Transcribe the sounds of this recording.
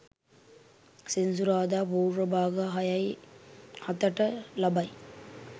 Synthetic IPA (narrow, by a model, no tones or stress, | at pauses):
sinsuɾaːd̪aːpuːɾɐbʱaːɡɐɦɐjɐj | hɐt̪ɐʈɐlɐbɐj